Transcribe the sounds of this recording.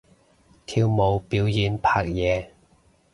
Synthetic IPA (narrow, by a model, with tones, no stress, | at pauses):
t̪ʰiː˧wmo˨˧wpiː˨˥wjiː˨˧npʰaː˧k̚jɛː˨˧